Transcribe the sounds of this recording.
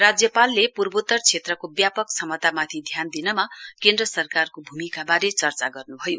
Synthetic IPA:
rad͡zjʌpalːepurbot̪ːʌrt͡sʰet̪rʌkobjapʌksʌmʌt̪amat̪ʰid̪ʱjand̪inʌmakend̪rʌsʌrkarkobʱumikabaɾet͡sʌrt͡saɡʌrnubʱʌjo

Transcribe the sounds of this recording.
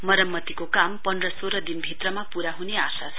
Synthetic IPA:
mʌɾʌmːʌt̪ikokampʌndrʌsoɾʌd̪inbʱit̪rʌmapuɾaɦuneasat͡sʰ

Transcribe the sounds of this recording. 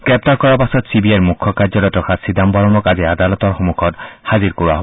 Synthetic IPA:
ɡ̥ɹɛp̚taɹkɔɹapasɔtsibiajmukʰːɔkaɹzɔɾɔtɹɔkʰasidambɔɹɔmɔkaziadalɔtɔɹxomukʰɔthaziɹkoɹuwa̰ɦo

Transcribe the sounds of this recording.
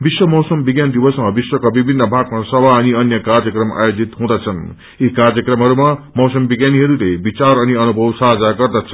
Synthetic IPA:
biswʌmʌwsʌmbiɡjand̪ibʌsmʌbiswʌkabibʱinːʌbʱaɡ̚masʌbʱaʌniʌnjʌkarjʌkrʌma̰jod͡zit̪ɦũd̪ʌt͡sʰʌn | ikarjʌkrʌmɦʌɾumamʌwsʌmbiɡjaniɦʌɾulebit͡saɾʌniʌnubʱʌwsaɦd͡zaɡʌrd̪ʌt͡sʰʌn

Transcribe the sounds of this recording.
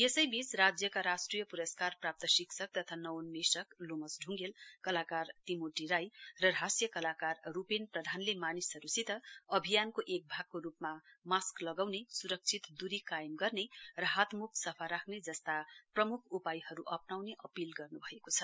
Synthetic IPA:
jesʌjbit͡srad͡zjʌkaɾasʈrijʌpuɾʌskarprap̚t̪ʌsiksʰʌk̚t̪ʌt̪ʰanʌwnmesʌklomʌsɖʱuŋɡelkʌlakart̪imoʈiɾajrʌɾasjʌkʌlakarːupenprʌd̪ʱanlemanisɦʌɾusit̪ʌʌbʱijankoʔek̚bʱaɡ̚koɾupmamasklʌɡawnesuɾʌk̚t͡sʰit̪d̪uɾikajemɡʌrnerʌɦat̪mukʰsʌpʰaɾakʰned͡zʌst̪aprʌmukʰupajɦʌɾuʔʌpnawneʔʌpilɡʌrnubʱʌekot͡sʰʌ

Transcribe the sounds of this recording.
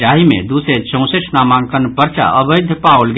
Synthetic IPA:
aɦimḛ̃d̪usɾet͡ʃə̃ʊ̃səʈʰnamãŋkənpəɾt͡ʃa̰ʔəbəɪd̪ʱpaulɡ

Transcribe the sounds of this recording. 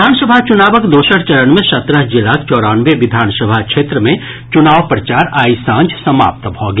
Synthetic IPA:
aːnsəbʱat͡ʃʊnaːbəkd̪oːʃəɾt͡ʃɐɾənmẽsɐt̪ɾəɦd͡ʒɪlaːkt͡ʃɔːɽaːnʋeʋɪd̪ʱaːnsəbʱakʃeːt̪ɾəmẽ | t͡ʃʊnaːʋpɾət͡ʃaːɾaːisãːnd͡ʒsɐma̰ːp̚t̪bʱɔːɡe

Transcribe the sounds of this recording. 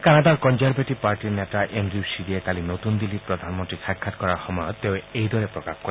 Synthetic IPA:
kanad̪aɾkɔnzaɾbeʈipaɾʈiɾnet̪aʔenɖɾiusidiet̪alinot̪und̪ilːipɾod̪ʱanmɔnt̪ɾiʃakʰːat̪kɔɾaɾxɔmɔjɔt̪ːeoejd̪ɔɾepɾɔkaxko

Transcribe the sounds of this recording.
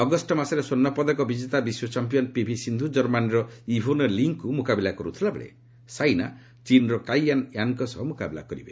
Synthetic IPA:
ɔɡɔsʈɔmasɔɾesonːɔpɔd̪ɔkɔbid͡ʒet̪abiswɔt͡ʃampijɔnpibʱisind̪ʱud͡ʒɔɾmanɾɔibʱonɔliŋkːumukabilakɔɾut̪ʰilabeɭḛ | sajna̰ | t͡ʃinɾɔkajanjankɔsɔɦɔmukabila̰kɔɾibe

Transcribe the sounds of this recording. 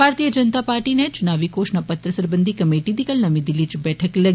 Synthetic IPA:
bʱaɾt̪ijəd͡ʒənət̪apaɾʈinet͡ʃʊnaʋikoʃnəpət̪ɾəsəɾbənd̪ʱikəmeʈid̪ikəlnəmid̪ilit͡ʃbɛʈʰəklə

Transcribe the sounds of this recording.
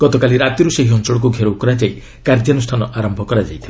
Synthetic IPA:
ɡ̥ɔt̪ɔkaliɾat̪jiɾuseɦiɦɔnt͡ʃɔɽɔk̬uɡʱeɾokɔɾad͡ʒaj | kaɾd̪janusʈʰanɔʔaɾɔmbʱɔkɔɾad͡ʒajt̪ʰiba

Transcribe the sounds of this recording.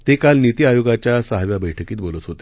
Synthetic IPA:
t̪ekalnit̪iːajoɡat͡ɕjasəɦaʋjabəjʈʰəkiːt̪̚bolət̪ɦot̪e̥

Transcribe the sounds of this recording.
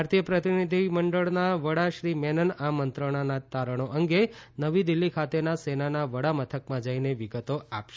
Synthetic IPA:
ɾt̪ijəpɾət̪inid̪ʱiməɳɖəɭnaʋəɽaʃɾimɛnənamənt̪ɾəɽ̃anat̪aɾəɽ̃oʔəŋɡenəʋid̪ilːikʰat̪enasenanaʋəɽamət̪ʰəkmãd͡ʒaineʋiɡət̪oapʃe

